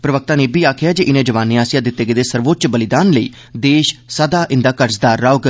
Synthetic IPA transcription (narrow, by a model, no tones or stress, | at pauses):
pɾəʋək̚t̪aːneːbiːaːkʰɪjaːd͡ʒeʔɪnẽːd͡ʒəʋaːnːiaːsjaːd̪ɪt̪ːeːɡeːd̪eːsəɾʋoːt̪̚t͡ʃbəlɪd̪aːnləḭː | d̪eːʃsəd̪aːʔɪ̃nd̪aːkəɾsd̪aːɾːaːɡ